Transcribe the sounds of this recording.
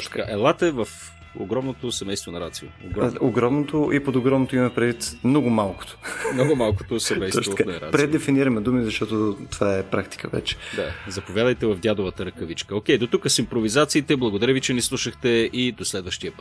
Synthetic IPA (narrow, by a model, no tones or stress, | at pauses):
t̪ɔʃt̪k̪kaʔɛlˠat̪ɛvəf | o̰ɡɾɔmnot̪osɛmɛjst̪vonɐɾat̪sioo̰ɡɾɔmoɡɾɔmnot̪oʔipod̪oɡɾɔmnot̪oimɐmɛpɾɛd̪vit̪mnɔɡʊmalˠko̥t̪o̥mnɔɡʊmalˠko̥t̪osɛmɛjsɔɔʃkaɛɾa̰t̪pɾɛd̪ɛfiniɾəmɛd̪umizɐʃt̪ɔt̪ot̪ovaɛpɾakt̪i̥kəvɛ̰t͡ʃɛ̥d̪a̰zɐpovʲjad̪əjt̪ɛvɐvd̪jad̪ovət̪əɾəkəvit͡ʃkəok̟ɛjd̪ot̪ukəsimpɾovizat̪siːt̪ɛblˠɐɡod̪ɐɾivit͡ʃɛnislˠuʃəxt̪ɛid̪oslɛd̪vəʃt̪iəpət̪